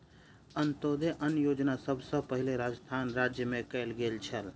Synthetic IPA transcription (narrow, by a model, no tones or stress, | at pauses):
ənt̪od̪eʔənjod͡ʒnasəbʱsə̃pəɦileɾad͡ʒst̪ʰanɾad͡ʒjəmẽkəlɡelt͡ʃʰəl